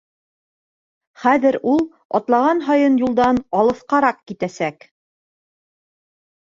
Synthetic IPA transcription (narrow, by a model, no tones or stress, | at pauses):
χæðɘɾulˠ | ɒ̰t̪lˠɑʁɑnɦɑjɤnjulˠd̪ɑnɑlˠɤ̆θqɑɾɑqkit̪æsæk